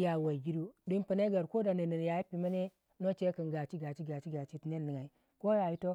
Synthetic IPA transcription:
ja˨wa˨ɡi˦du˦di˦npə˨na˦ɡa˨ɾko˦da˨nə˨nə˨n˨ja˨ji˦pi˨ma˦ne˦ | no˦t͡ʃe˦kə˨nɡa˨t͡ʃi˦ɡa˨t͡ʃi˦ɡa˨t͡ʃi˦ɡa˨t͡ʃi˦ti˨ne˦nːi˨ŋa˨i˨ | ko˦ja˨ji˦to˦

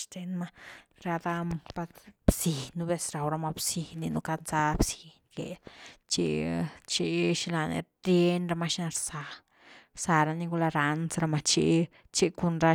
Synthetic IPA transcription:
ʃt̪e˧nma˦ɾa˧d̪a˦mpa˧t̪b̥si˨nːu˦be˦sɾa˨wɾa˧ma˧bsi˨ni˧nu˧ka˦sa˦bsi̥˨nkḛ˨t͡ʃḭ˧t͡ʃi˧ʃi˧la˧nḛ˧ | ɾje˦nɾa˧ma˧ʃna˧ɾsa˨ | sa˧ɾa˧ni˧ɡu˧la˧ɾa˧nsɾa˧ma˧t͡ʃḭ˧ | t͡ʃi˦ku˧nɾa˦

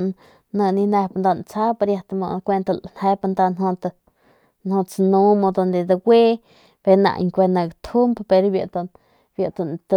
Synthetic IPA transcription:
nə̃˧nĩ˧ne˧pa˧nd̪a˧nt͡sa˦pa˧ɾja˧t̪mo̰˧kʷe˧nt̪a˧lnhe˧˦pa˧nd̪a˧nɦõ˧t̪a˧ | nhõ˧t͡snũ˧mo˧d̪o˧nd̪e˧d̪a˧ɡʷe˦ | b̥e˧nã̰˧ʔŋkʷe˧nã˧ɡt̪ʰu˦mbpe˧ɾbja˧ʔt̪ | bja˧ʔt̪o˧nt̪

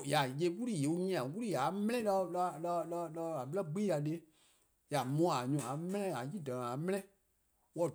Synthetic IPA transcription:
ja˨je˧˦ku˦ɾi˦˨je˨u˧ɲĩ˧ã˨ku˦i˦ja˨˦mɛ̃˦ɛ̃˦la˧lla˧la˧la˧˦˨a˨ɓlɛ˦ɡ͡bi˦ja˨ɗe˦ | ja˨mɔ̃˨˦˨a˨ɲũ˨˧˨a˨mɛ̃˦ɛ̃˦a˨ji˦˨dɔ˨nã˨a˨mɛ̃˦ɛ̃˦ | wɔ˧˨

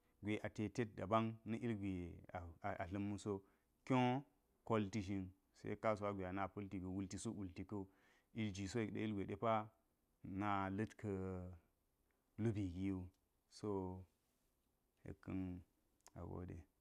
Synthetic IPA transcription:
ɡʷe˨ʔa˨te˨te˦t̚da̰˨ba˦ŋnɐ˦ʔi˦lɡʷe˨a˨a˨ɬɐ˦mːu˦so˦ | kʲo˦ | ko˦lti˦ʒi˦n | sḛ˦ka˦s̬u˨wa˦ɡʷe˨a˨na˨po˦lti˨ɡi˨wu˦lti˨so˦ʔu˨lti˨kɐ˦u˨ | i˦ld͡ʒi˨so˦e˨ɗa̰˨i˦ɡʷe˨de˦pa˦ | na˨lɐ˦tkʰə˨ | lu˦bi˨ɡi˦ju˦ | so˦ | hḛ˨kːɨ̰˦n | a̰˨ɡo̰˦dḛ˨

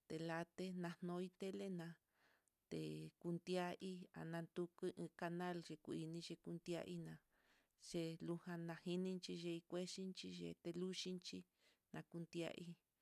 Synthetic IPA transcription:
t̪e˨la˧t̪e˦nã˧nõ˧˦i˦t̪e˦le˦nã˧ | t̪ḛ˨ku˧nd̪ja˦ʔi˦a̰˨nã˧nd̪u˧kɨ˦ʔɨ̃˧ka˧nã˦lʒe˧ku˧˨i˧nĩ˧ʒe˧ku˧nd̪ja̰˦˧ʔi˦nã˧ | ʒ̥e˧lu˧hã˧nã˧hi˧nĩ˧nt͡ʃi˧ʒe˧i˧kʷe˦ʃi˦nt͡ʃi˧ʒḛ˧t̪e˧lu˦ʃi˦nt͡ʃi˦ | nã˧ku˧nd̪ja̰˦ʔi˦

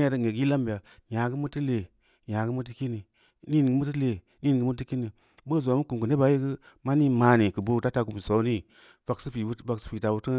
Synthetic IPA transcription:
a˦˨ɾə˦˨ŋe˨ɡi˦la˦mbi˨ja˨ | ɲa˨ɡɨ˦mu˦ti˦le˨ | ja˨ɡɨ˦mu˦t̬i˦ki˦ni˨ | ni˦n˨ɡɨ˦mu˦ti˦le˨ | ni˦n˨ɡɨ˦mu˦t̬i˦ki˦ni˨ | bə˦˨zmu˦ku˨ku˨ne˦ba˨˦ji˦ɡɨ˦ | ma˦ni˦ma˨ni˨kɨ˨bo˦ta˦ta˨ku˨mi˨so˨˦ni˦ | va˨ksi˦pi˨˦a˨ksi˦pi˨ta˨bu˦tə˦

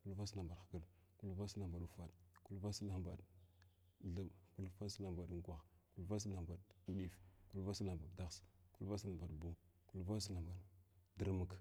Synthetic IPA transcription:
ku˦lva˦sla˨mba˨dxḁ˨ɡə˦l | ku˦lva˦sla˨mba˨ɗu˨fa˦ɗku˦lva˦sla˦mba̰˨ɗ | ɮə˨mku˦lfa˦n˦sla˦mba˨ɗŋ˦kʷa˨x | ku˦lva˦s̬la˨mba˨ɗu˦ɗi˦˨fku˦lva˦sla˨mba˨dda˦ɣsku˦lva˦sla˨mba˨dbu˦ | ku˦lva˦s̬la˨mba˨ɗdə˦ɾmə˨k

